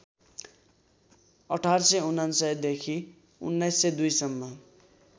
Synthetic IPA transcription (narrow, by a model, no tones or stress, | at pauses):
ʌʈʰarsʌunansʌjd̪ekʰi | ṵnːʌjsːʌd̪ujsʌmːʌ